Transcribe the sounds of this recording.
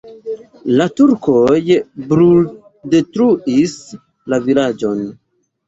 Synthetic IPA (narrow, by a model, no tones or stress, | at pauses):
latuɾkojbɾul | de̞tɾuis | lavilad͡ʒo̞n